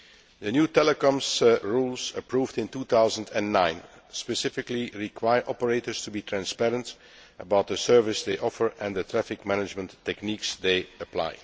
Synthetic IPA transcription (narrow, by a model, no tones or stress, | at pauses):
dənjuːtɛləkɔ̃msɹuːlˠzəpɹuːvdɪ̃ntut̪aʊzə̃ntɛ̃nːãɪ̃n | spəsɪfɪkliɹikʰwaɪəɹʔɔpəɹeɪtəɹstubiːtʰɹæ̃nspɛɹə̃nt | ʔəbaʊt̪̚dðəsɜ˞vɪsd̪eɪʔɔfəɹʔɛ̃nd̪ətʰɹæfɪkmænɪd͡ʒmə̃ntʰːɛkniksd̪eɪəpla̰ɪ